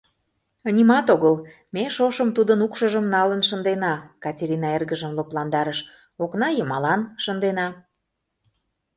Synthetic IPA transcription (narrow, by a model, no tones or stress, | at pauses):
ənʲimɑt̪oɣəl | meʃoʃəmt̪ud̪ənukʃəʒəmnɑlənʃə̆nd̪enɑkɑtʲeɾʲinɑerɣəʒəmloplɑnd̪ɑɾəʃ | oknɑjəmɑlɑnʃənd̪enɑ